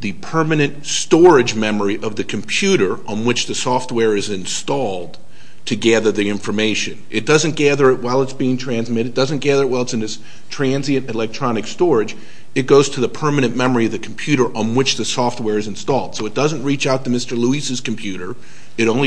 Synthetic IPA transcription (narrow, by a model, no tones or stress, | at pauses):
ðɨpʰɜ˞mɨnɨ̃ntstɔɹɪd͡ʒmɛmə˞iʔʌvðɨkʰm̩pʰj̥ʉɾə˞ə̃nwɨt͡ʃðɨsɔft̚wɛɹɨzɨ̃nstɔlˠd | tʰɨɡæðə˞ðiɪ̃ɱfə˞meɪʃɨ̰̃nʔɨt̚d̥ʌzɨ̃nɡ̥æðə˞ɨt̚waɪlˠətsb̥iɪ̃ŋtʰɹ̥æ̃nzmɪɾɨɨd̥ʌzɨ̃nɡ̥æðə˞ɨt̚waɪlˠətsɨ̃nɨs | tʰɹ̥æ̃nziɨ̃ɾɨlɛk̚tʰɹ̥ɑnɨkstɔɹɨd͡ʒ | ɨt̚ɡ̥oʊz̥tʰɨðɨpʰɜ˞mɨnɨ̃nmɛmə˞iʌvðɨkʰm̩pʰj̥ʉɾə˞ʔə̃nwɨt͡ʃðɨsɔft̚wɛɹɨzɨ̃nstɔlˠd̥soʊɨt̚d̥ʌz̃nʔɹit͡ʃaʊt̪̚tɨmɪstə˞luisɨz̥km̩pʰj̥ʉɾə˞ | ɨɾõʊ̃n